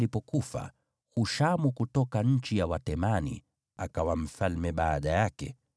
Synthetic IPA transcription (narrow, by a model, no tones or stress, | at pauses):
lipɔkufa̰ | huʃamukutɔkaɲ̩t͡ʃijawatɛmanḭ | akawam̩falmɛɓaːɗajakɛ̰